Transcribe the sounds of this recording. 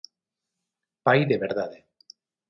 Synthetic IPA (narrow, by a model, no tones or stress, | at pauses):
pajðeβeɾðaðe